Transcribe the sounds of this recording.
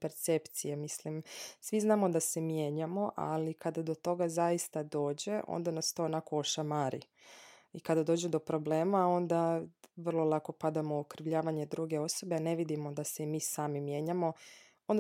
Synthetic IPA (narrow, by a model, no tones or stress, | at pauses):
peɾt̪sept̪sijemislimsʋiznaːmo̞d̪ase̞mje̞ːɲamo̞ʔa̰likad̪ad̪o̞t̪o̞ɡazaist̪ad̪o̞ːd͡ʑe̞ʔo̰nd̪anast̪o̞onako̞oʃamaɾḭ | ikad̪ad̪o̞ːd͡ʑud̪o̞pɾo̞ble̞ːmao̞nd̪aʋr̩lˠo̞lˠako̞pad̪amookɾiʋʎaːʋaɲed̪ɾuɡe̞o̞so̞be̞ane̞ʋid̪imo̞d̪aseimiːsaːmimje̞ːɲamo̞ | ond̪